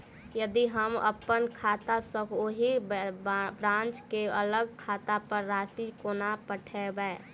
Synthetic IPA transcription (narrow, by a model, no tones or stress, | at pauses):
jəd̪iɦəmə̰pənkʰaːt̪asəkʰoɦi | bɾãːnt͡ʃkeələɡ̚kʰaːt̪apəɾːaːsikonapəʈʰɛbɛe